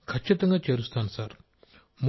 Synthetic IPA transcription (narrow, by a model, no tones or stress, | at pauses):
kʰɐt͡ʃʰːit̪ɐŋɡaːt͡ʃeːɾust̪ʰaːnusaːɾ | m